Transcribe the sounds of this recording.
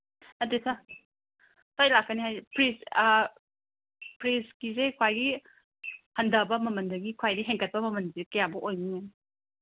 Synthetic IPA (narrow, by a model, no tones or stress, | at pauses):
nɐtisa | sʰajlakːɐniɦajpɾis | pɾiskizekʰwajɡi | hɐndɐbɐmɐmɐndɐɡikʰwajdiɦeŋkɐt̚pɐmɐmɐnsekɐjabuʔojniŋani